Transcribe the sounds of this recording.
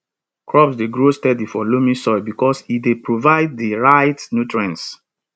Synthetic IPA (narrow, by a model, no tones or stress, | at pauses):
kɹɔpsdeɡɹostɛdifɔlomĩsɔjbikɔsidepɹovaɪd̚diɹaɪtnutɹãns